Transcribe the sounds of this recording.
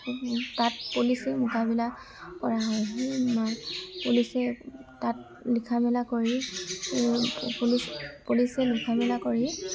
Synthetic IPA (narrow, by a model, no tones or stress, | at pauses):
tat̚pulisɛmukabila | kɔɹaɦɔjɦimapulisɛtat̚ | likʰamɛlakoɹi | pulispulisɛlikʰamɛlakoɹi